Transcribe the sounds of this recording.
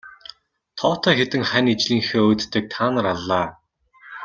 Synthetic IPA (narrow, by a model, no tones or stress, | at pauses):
t̪ʰɔːwʰt̪ʰœːxet̪ɘ̆ŋχænit͡ɕɮiːŋxeːoːt̪ːɘ̆k̚t̪ʰaːnə̆ɾaɮːaː